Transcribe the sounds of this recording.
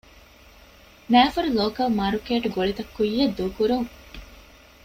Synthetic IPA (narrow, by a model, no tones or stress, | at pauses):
næːfɐɾuloːkɐlmaːɾukeːʈuɡoɭit̪ɐkːujːɐd̪ːuːkuɾuŋ